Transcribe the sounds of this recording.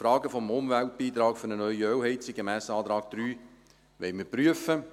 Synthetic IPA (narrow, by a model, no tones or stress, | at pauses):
fɾɑːɡəfɔmʊmʋælt̚b̥iːt̪ɾɑːkfʏɾnənœʏiœwɦɛɪtsiɡ̥emæːsɑːt̪ɾɑːk̚d̥̪ɾyː | ʋɛɪməɾpryəfə